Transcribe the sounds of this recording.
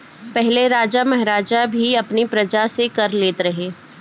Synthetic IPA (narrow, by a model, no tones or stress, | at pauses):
pɛɦleɾaːd͡ʒamɛɦɾaːd͡ʒabʱiɐpnipɾɐd͡ʒasekɐɾleːt̪ɾɐɦeː